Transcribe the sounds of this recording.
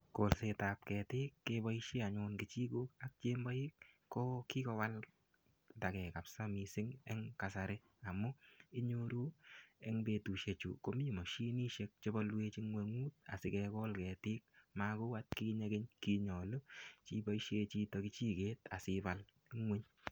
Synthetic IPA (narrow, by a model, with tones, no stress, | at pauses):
ko˨lse˧ta˨p̚kɛ˨tɪː˦kːe˦bɔ˦iʃe˦a˨ɲʊ˧nkɪ˨t͡ʃi˦ɡo˦ka˦k̚t͡ʃeː˦mbɔ˦i˦k | kɔ˦ki˦kɔ˧wa˦l | da˨kɛ˨ka˨psa˦misɪ˦ŋɛ˦ŋka˨saɾe˦ | a˨mu˦i˦ɲo˦ɾu˦e˦ŋbe˧tu˨ʃe˨t͡ʃṵ˨ko˦mi˦˨mɔ˨ʃi˦niː˦ʃe˧k̚t͡ʃe˦bɔ˦lwe˦t͡ʃi˦ŋwe˧ŋuː˦t̚a̰˨sɪkɛkɔ˦lkɛː˨tɪː˦k̚ma˦ku˦wa˦t̚kiɲe˧ɡɪ˦ɲki˧ɲɔ˨lo˦t͡ʃi˦bɔ˦iʃe˧t͡ʃi˧tɔ˨ki˦t͡ʃiː˦keː˦ta̰˨sɪpa˦l | ɪŋwe˦ɲ